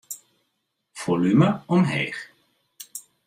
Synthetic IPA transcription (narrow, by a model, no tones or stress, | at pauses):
v̥olyməɔmɦɛ̰ːχ